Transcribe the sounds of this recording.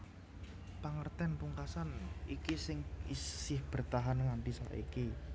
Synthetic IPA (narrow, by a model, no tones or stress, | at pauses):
paŋərt̪ɛnpuŋkasanikisɪŋisɪhb̥ərt̪aɦanŋampisa̰ʔḭki